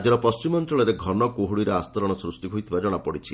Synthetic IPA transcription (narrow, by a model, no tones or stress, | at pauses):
d͡ʒɔɾɔpɔst͡ʃimɔnt̪ɾɔɭɔɾeɡʱɔnɔkoɦuɽiɾɔast̪ɔɾɔɽ̃ɔsɾusʈiɦojt̪ʰibad͡ʒɔɽ̃apɔɽit͡ʃʰi